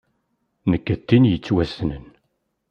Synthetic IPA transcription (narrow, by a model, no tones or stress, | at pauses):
nəkːət̪ːinjət͡sːwæsnə̰n